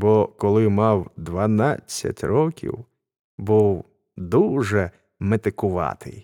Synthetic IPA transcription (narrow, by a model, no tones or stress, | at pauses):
bɔkɔlˠɪmɑwd̪ʋɐnɑt͡sʲːɐ̰tʲrɔkʲḭw | buw | d̪uʒɛ | met̪ɪkʊʋɑ̰t̪ɪ̰j